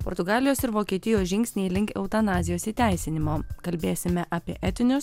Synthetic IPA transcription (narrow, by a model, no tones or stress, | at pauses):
pɔ̰ɾt̪ʊɡɑːlʲɪjoːsɪɾʋoːkʲiɛt̪ʲɪjoːsʒʲɪŋʲksʲnʲeilʲɪŋʲkʲɛʊt̪ɐnɑːzʲɪjoːsiːt̪ʲæˑɪsʲɪnʲɪmoːkɐlʲbʲeːsʲɪmʲɛʔɐpʲiɛʔɛt̪ʲɪnʲʊs